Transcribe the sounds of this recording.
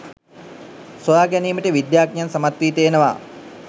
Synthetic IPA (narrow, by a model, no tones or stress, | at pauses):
sojaːɡæniːməʈəʋid̪jaːk̚njansamat̪ʋiːt̪eːnəʋa̰